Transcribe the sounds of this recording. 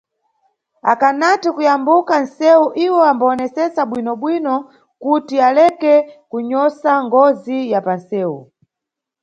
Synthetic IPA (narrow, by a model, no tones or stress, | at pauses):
a̰kanatikujambukan̩sɛuʔiwɔambaːnɛsɛsaɓwinɔɓwinɔ | kutialɛkɛkuɲɔsaŋɡɔzijapansɛːu